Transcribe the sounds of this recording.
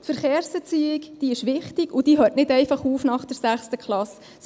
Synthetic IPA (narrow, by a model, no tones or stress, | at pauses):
tfəɾχeːɾsbɛt͡siːɪkd̥iːɪʃʋɪχtɪɡʊd̥iːɦøːtnɪdɛɪfɑχuːfnɑχd̥əɾsæχstəkχlɑs